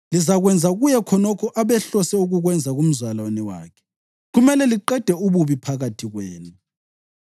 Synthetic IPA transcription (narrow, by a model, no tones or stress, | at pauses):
lizaɣwɛnd͡zʱaɣujɛkʰɔnɔkʰɔʔaβɛɬɔsɛuɣuɣwɛnd͡zʱaɣum̩zwalanɛwa̰ːkʰɛ̥ | ɣumɛlɛliǃɛd̥ʱɛuβuβipʰaɣatʰiɣweːnu